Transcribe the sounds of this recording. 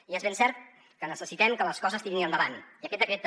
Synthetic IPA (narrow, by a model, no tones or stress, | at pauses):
iezβensɛɾt̪̚ | kənəsəsit̪ɛmkələskɔzəst̪iŋinənd̪əβaniəkɛt̪̚d̪əkɾet̪